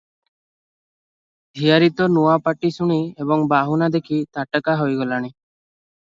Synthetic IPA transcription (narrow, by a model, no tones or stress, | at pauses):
d̪ʱijaɾit̪ɔnuapaʈisuɽ̃iebɔŋbaɦunad̪ekʰit̪aʈəkaɦɔjɡɔlaɽ̃i